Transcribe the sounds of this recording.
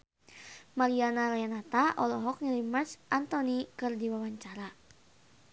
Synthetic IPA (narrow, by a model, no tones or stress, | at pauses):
maɾianalajanat̪aʔɔlɔɦɔk̚ɲilimarsʔant̪ɔnikɨrdiwawaɲt͡ʃaɾa